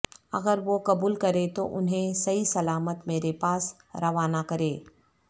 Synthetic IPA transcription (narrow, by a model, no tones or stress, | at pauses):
ɐ̰ɡəɾʋokɐbuːlkɐɾet̪oʔʊnɦẽsɐisɐlaːmət̪meːɾepaːs | ɾɐʋaːnakɐɾeː